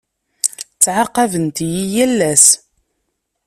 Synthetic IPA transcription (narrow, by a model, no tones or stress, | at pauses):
t͡sːʕɑqːɑvənt̪jijælːæs